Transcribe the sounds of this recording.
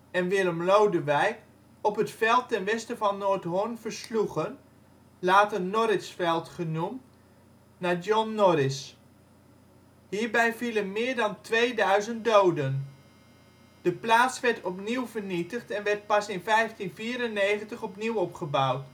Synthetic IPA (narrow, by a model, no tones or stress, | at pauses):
ɛnʋɪːɾɔmlowdəʋɛjk | ɔpɦətfɛlˠtɛnʋɛstəvɑnːoːɹtɦʊɹnv̥əɹsluχən | laːtənnɔɾɪsfɛlˠtχənumt | nadɔnːɔɾɪs | ɦiːɹbɛjvilənmɪːɹdɑntʋeːjdœɥzənt̚dowdən | d̥əplaːtsʋɛɹtɔpniwvəɹnitəχtɛnʋɛɹt̚pɑsɪnfɛjftinviːɾənːejχəntəχɔpniwɔpχəbawt